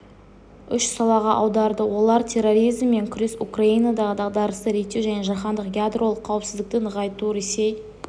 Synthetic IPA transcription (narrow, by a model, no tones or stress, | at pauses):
ʏʃsɑlˠɑʁɑʔɑwd̪ɑɾd̪əwo̞lˠɑɾt̪ʲʰe̞roɾijzmːe̞ŋkʲʰʏɾe̞sukraijnɑd̪ɑʁəd̪ɑʁd̪ɑɾəst̪əɾe̞k̚t̪ːe̞wʒæneʒɑχɑnd̪əqɡʲjad̪ro̞lˠəqʰːɑwəpsɪzd̪ɪkt̪ɪnəʁɑjt̪uɾese̞j